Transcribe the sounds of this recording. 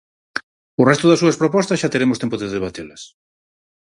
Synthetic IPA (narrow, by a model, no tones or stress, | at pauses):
ʊrɛst̪ʊðɐsuɐspɾopɔst̪ɐsʃat̪eɾemost̪empʊðeðeβ̞at̪elɐs